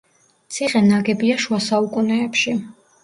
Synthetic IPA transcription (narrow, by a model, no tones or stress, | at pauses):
t̪sʰiχʼɛnaɡɛbiaʃuasaukʼunɛːpʃi